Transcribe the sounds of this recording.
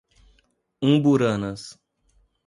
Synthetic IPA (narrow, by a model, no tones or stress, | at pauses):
ũbuɾanɐs